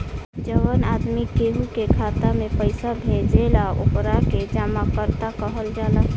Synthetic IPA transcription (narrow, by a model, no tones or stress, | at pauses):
d͡ʒəʋənad̪mikeɦukekʰat̪amepəɪsabʱẽd͡ʒelao̰pɾaked͡ʒaːmakəɾt̪akəɦəld͡ʒala